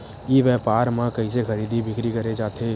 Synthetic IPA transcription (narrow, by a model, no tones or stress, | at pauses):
iʋjɛpaɾmekəɪsekʰəɾid̪ʱibʱikɾikəɾed͡ʒat̪ʰe